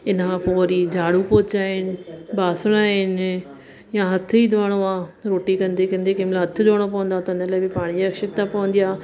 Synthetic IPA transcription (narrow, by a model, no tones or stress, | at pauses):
ɪnãpoːɾid͡ʑʱaːɽupoːt͡ɕaːɦɪn̆baːsɪɽ̃aːɦɪn | jãɦɐt̪ʰʊid̪ʋaːɽ̃oãɾoːʈikɐ̃nd̪ekɐ̃nd̪ekeːmlãɦɐt̪ʰʊdʋaːɽ̃op̬ɐʋə̃nd̪at̪ɐɪnəlaːɪbɪpaːɽ̃id͡ʑaɐkʃɪkt̪apɐʋə̃nd̪ijaː